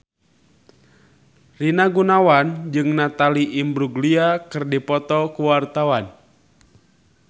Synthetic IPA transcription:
rinaɡunawand͡ʒɨŋnat̪aliʔimbɾuɡliakɨrdipɔt̪ɔkuwart̪awan

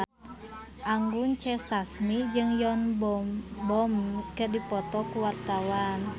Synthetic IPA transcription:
ʔaŋɡuŋt͡ʃɛsasmid͡ʒɨŋjɔnbbɔmkədipɔt̪ɔkuwart̪awan

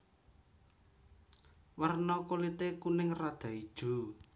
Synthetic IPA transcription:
wərnɔkolit̪ekunɪŋrad̪̥a̤id̥ʒ̥ṳ

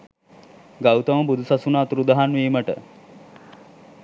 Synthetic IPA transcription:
ɡawt̪əməbud̪ʱusasunaːt̪uɾud̪aɦanʋiːməʈə̰

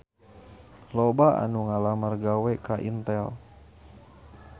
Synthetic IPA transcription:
lobaa̰nuŋalamərɡawɛkaʔint̪ɛl

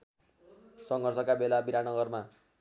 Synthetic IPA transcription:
sʌŋɡʱʌrsʌkabelabiɾanʌɡʌrma

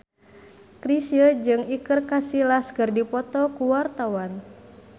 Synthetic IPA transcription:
kɾisjəd͡ʒɨŋikɨrkasilaskɨrdipɔt̪ɔkuwart̪awan

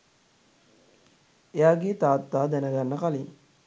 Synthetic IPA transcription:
ejaːɡeːt̪aːt̪ːaːd̪ænəɡanːəkaliŋ

